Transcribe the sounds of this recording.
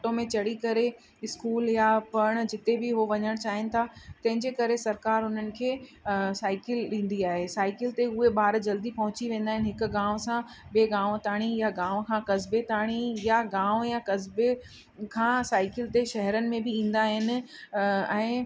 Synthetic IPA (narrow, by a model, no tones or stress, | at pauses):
ʈomẽt͡ɕɐɽikɐɾe | ɪskuːljapɐɽ̃d͡ʑɪt̪ebɪɦoʋɐɲəɽ̃t͡ɕaːɦɪnɪ̆t̪ʰat̪ɐ̃ɦɪ̃ɲd͡ʑekɐɾesɐɾkaːɾɦʊn̤ənɪ̆kʰeːsaːɪkɪlɗĩːn̆d̪iaːɦesaːɪkɪlt̪eʊɦeɓaːɾd͡ʑɐld̪ipɐɦʊ̃t͡ɕiʋẽːnd̪aːɦɪnɦɪkʊ̆ɡãːʋsã | beːɡãːʋt̪aːɽ̃ijaɡãːʋkʰãkɐzbet̪aːɽ̃ijaɡãːʋjakɐzbe | kʰãːsaːɪkɪlt̪eʃɛɦɾənɪ̆mẽbɪĩːn̆d̪aːɦɪnɪ̆ | ɛ̃ː